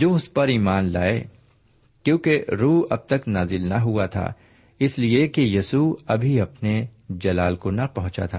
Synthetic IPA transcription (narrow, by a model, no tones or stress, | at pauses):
d͡ʒoːʊspɐɾiːmaːnla̰ːḛ | kjõːkeɾuːɐ̰b̚t̪ɐknaːzɪlnɐɦuat̪ʰa̰ː | ɪsliekejɐsuɐbʱiɐpned͡ʒɐlaːlkonɐpɐ̃ɦʊ̃t͡ʃa̰t̪ʰa̰ː